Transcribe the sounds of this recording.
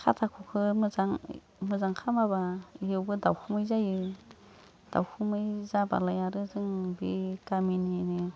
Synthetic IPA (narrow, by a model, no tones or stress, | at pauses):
kʰatʰakʰukʰɯmɯzaŋ | mɯzaŋkʰamabaijɯwbɯdawkʰɯmɯjzajɯ | d̥a̰wkʰumɯjzaba̰lajaɾɯzɯŋbikamininɯ